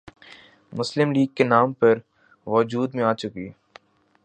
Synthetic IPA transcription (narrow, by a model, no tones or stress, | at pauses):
mʊslɪmliːɡ̚kenaːmpɐɾ | ʋɔːd͡ʒuːd̪mẽaːt͡ʃʊkḭː